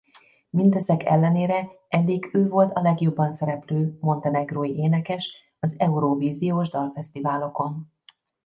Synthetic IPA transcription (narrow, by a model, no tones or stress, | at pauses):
mint̪ɛzɛkʰɛ̰lːɛneːɾɛ | ɛd̪ːiɡøːvo̞lt̪ɒlɛɡjo̞bːɒnsɛɾɛpløːmo̞nt̪ɛnɛɡroːjiʔeːnɛkɛʃ | ɒzɛuɾoviːzijoːʒd̪ɒlfɛst̪ivaːlo̞ko̞n